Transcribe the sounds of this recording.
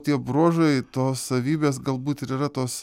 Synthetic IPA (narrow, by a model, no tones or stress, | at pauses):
t̪ʲiɛbɾoːʒɐɪt̪oːssɐʋʲiːbʲeːs̬ɡɐlˠbuːt̪ɪɾiːɾɐt̪oːs